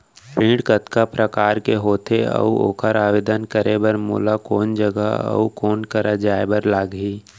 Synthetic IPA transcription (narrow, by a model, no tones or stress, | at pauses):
pĩːɖkət̪kapɾəkaːɾkeɦoːt̪eə̰uo̰ːkʰəɾaːʋeːd̪ənkəɾebəɾmṵːlakoːnd͡ʒəɡə̰ɐ̰ukoːnkəɾad͡ʒaːebəɾlaːɡɦiː